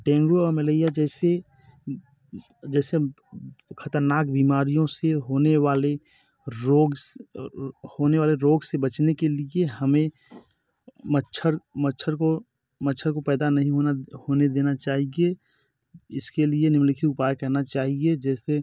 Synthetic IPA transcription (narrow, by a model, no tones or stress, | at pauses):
ʈɛ̃ːŋɡɾoemeleijad͡ʒɛːse | d͡ʒɛːse | kʰət̪əɾnaːk̚biːmaːɾijõseɦoːneʋaːle | ɾoːɡ | hoːneʋaːleɾoːɡsebət͡ʃnekelieɦɐmẽ | məʃʰəɾmətːʃʰəɾko | mətːʃʰəɾkopɛːd̪anɐɦĩɦonahoːned̪eːnat͡ʃaːɦie | ɪskelienɪmlɪkʰiʊpaːjkɐɾnat͡ʃaːɦied͡ʒɛːse